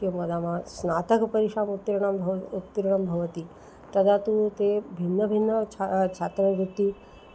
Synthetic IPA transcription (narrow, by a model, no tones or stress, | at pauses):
jomɐd̪amãsnat̪əkpəɾiʃamut̪ːɾɳamʱut̪ːɾɳəmbʱɐʋət̪i | t̪əd̪at̪ut̪ebʱinːəbʱinːət͡ʃʰat͡ʃʰat̪ɾəʋut̪ːi